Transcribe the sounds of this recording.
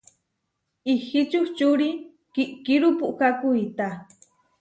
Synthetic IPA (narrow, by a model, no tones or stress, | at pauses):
ixit͡ʃuht͡ʃuɾi | kiʔkiɾupuʔkakujt̪a